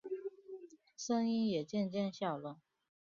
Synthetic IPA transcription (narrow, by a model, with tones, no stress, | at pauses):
ʂɤ˥ŋi˥njɛ˨˩t͡ɕjɛ˥˧nt͡ɕjɛ˥˧nɕjɑ˥˩ʊlə˨˦